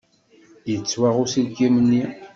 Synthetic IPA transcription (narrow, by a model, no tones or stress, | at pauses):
jət͡sːwaʁusilɡimənːi